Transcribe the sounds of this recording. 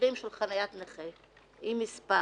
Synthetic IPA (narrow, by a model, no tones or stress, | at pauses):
ʁimʃelχanajat̪neχe | imispa